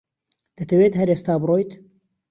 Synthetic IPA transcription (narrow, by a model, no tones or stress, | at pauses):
d̪̥ɐt̪ʰɐweːt̪ɦɐɾeːst̪aːbɨroːjt̪